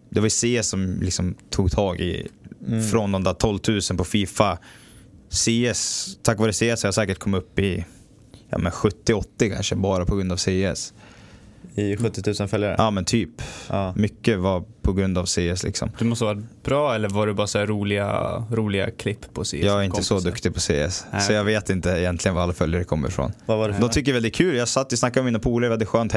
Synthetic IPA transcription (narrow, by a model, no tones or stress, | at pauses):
d̪ɛvaɾjʏseːɛsːɔmlɪksɔmt̪ʰuːɡ̚t̪ʰɑːɡɪ̰ | fɾɔnd̪ɔmd̪æːt̪ʰɔlːt̪ʰʉ̟ːsənpʰɔfiːfa | seːɛst̪ʰakːvɑːɾəseːɛshajasɛːkəʈ̚kʰɔmːɵpːɪ | jɑ̰ːmɛnɧɵt̪ːɪɔt̪ːɪkʰa̰nʂəbɑːɾapʰɔɡɾɵnd̪avseːɛ̰s | ɪɧɵt̪ːɪt̪ʰʉ̟ːsənfɛljaɾə̰ʔɑːmɛnt̪ʰyːpːmʏkːəvapʰɔɡɾɵnd̪avseːɛslɪ̰ksɔ̰md̪ɵmɔst̪əvɑɾb̥ɾɑːɛlːəɾvaɖɛbɑːɾasæɾuːlɪɡa̰ɾuːlɪɡa̰kʰlɪpːʰɔsḛːjɑːɡæɾɪnəsɔd̪ɵkt̪ɪɡpʰɔsḛːɛ̰ssɔjɑːɡveːt̪ɪnt̪əɪjɛnt̪lɪɡənvaalːafœljaɾəkʰɔmːə̰ɾfɾo̰ːnd̪ɔmt̪ʏk̬ːəɾvɛld̪ɪt̪kʰʉ̟ːljɑːsat̪ːɪsnakːad̪ɔmiːnapʰuːlaɾvɛld̪ɪt̪ɧøːnt̪h